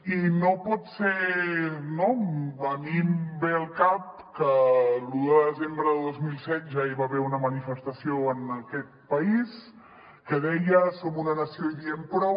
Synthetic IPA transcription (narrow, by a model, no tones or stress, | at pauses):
inopɔt̪se | nobənimbeəlˠkap̚kəluðəðəzembɾəðəlˠðozmilˠsɛt̪̚ʒaiβaβɛɾunəmənifəst̪əsioənəkɛt̪̚pəis | kəðɛjəsomunənəsioiðiəmpɾɔ